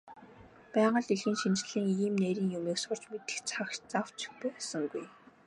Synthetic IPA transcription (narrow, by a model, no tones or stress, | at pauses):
pæːʁə̆ɮiɮɘ̆ŋʃint͡ɕɮiːŋiːmnæɾʲiːŋjumeːksʊr̥t͡ɕmet̪ɘ̥̆xt͡sʰakt͡ɕt͡saw̥t͡ɕɪ̥xpujasə̆ŋɡuj